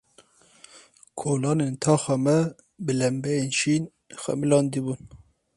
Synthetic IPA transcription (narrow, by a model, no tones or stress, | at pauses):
kʰoːlɑːneːnt̪ʰɑːxɑmɛ | bɨlɛmbɛjeːnʃiːn | xɛ̰mɨlɑːnd̪ibun